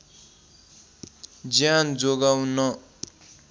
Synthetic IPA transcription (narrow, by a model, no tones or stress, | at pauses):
d͡zjand͡zoɡawnʌ